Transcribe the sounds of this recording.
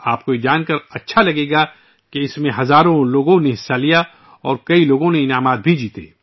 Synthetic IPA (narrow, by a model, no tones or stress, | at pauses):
aːp̚koid͡ʒaːnkəɾɐtːʃʰalɐɡeːɡa | keɪsmẽɦɐzaːɾõloːɡõneɦɪsːalija | ɔːɾkɐiloːɡõneɪnaːmaːd̪̚bʱid͡ʒiːt̪ḛː